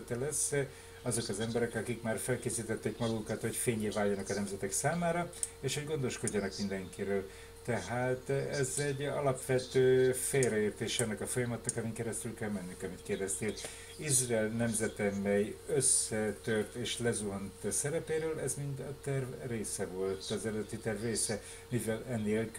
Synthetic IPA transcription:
t̪ɛlɛs | ɒzo̞kɒzɛmbɛɾɛkɒkikmaːrfɛlkeːsiːt̪ɛt̪ːeːkmɒɡuŋkɒt̪ho̞cfeːɲeːvaːljɒnɒkɒnɛmzɛt̪ɛksaːmaːɾɒ | eːʃho̞ɟɡo̞nd̪o̞ʃko̞ɟːɒnɒkmind̪ɛŋkiɾøːl | t̪ɛɦaːt̪ɛzɛɟɒ̰lɒpʋɛt̪øːfeːlrɛeːrt̪eːʃɛɒnːɛkɒfo̞jɒmɒt̪nɒkɒmiŋkɛɾɛst̪ylkɛlmɛnːyŋkɒmit̪̚keːrd̪ɛst̪eːl | izrɑɛlnɛmzɛt̪ɛmɛjøsːɛt̪ørt̪eːʃlɛzuɦont̪sɛɾɛpeːɾøːlɛzmind̪ɒt̪ɛrvreːsɛvo̞lt̪ɒzɛlɛd̪ɛt̪it̪ɛrvreːsɛ | mivɛlɛnːeːlk

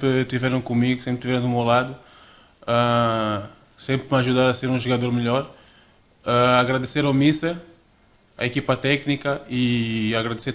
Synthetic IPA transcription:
pɾɪt̪ivɛɾɐ̃w̃kõmiɣʊsẽmpɾt̪ivɛɾɐ̃w̃d̪umewlad̪ʊ | a | sẽmpɾmɐʒud̪aɾɐseɾũʒuɣad̪oɾmɨʎɔɾ | aaɣɾad̪eseɾamisɐ | ɐ̰ekipɐt̪ɛknikɐiaɣɾad̪eseɾ

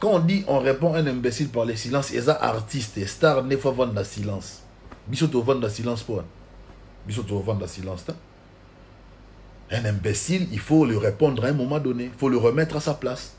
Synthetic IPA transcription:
kɑ̃ɔ̃diʔɔ̃ʁepɔ̃ɛ̃nɛ̃besilpaʁlesilɑ̃sḛzaʔa̰ʁt̪ist̪est̪aʁnefwavɑ̃d̪lasilɑ̃s | bis̬ot̪̬ovɑ̃d̪lasilɑ̃spwɛn | bis̬ot̪ovɑ̃d̪dasilɑ̃st̪ɛ | ɛ̃nɛ̃besililfoləʁepɔ̃d̪ʁaɛ̃mɔmɑ̃dɔneifoləʁəmɛt̪χasaplas

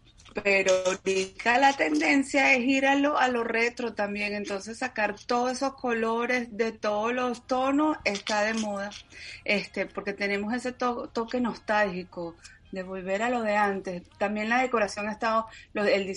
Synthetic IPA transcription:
peɾoɾikalat̪e̞nd̪e̞nsjae̞siɾaloalo̞re̞t̪ɾo̞t̪ambje̞ŋe̞nt̪o̞nse̞sːakaɾt̪oðseso̞sko̞lo̞ɾe̞zðe̞t̪o̞ðoslo̞st̪o̞no̞se̞st̪aðe̞mo̞ð̞ae̞st̪e̞po̞ɾke̞t̪e̞ne̞mo̞se̞se̞t̪ot̪o̞ke̞no̞st̪alhiko | ðe̞βo̞lβe̞ɾalo̞ðe̞ant̪e̞st̪ambje̞ŋlaðe̞ko̞ɾasjo̞ŋest̪aðoloeld̪i

